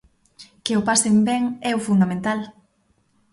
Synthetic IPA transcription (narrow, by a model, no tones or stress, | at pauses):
keopasembɛŋɛʊfund̪amẽnt̪al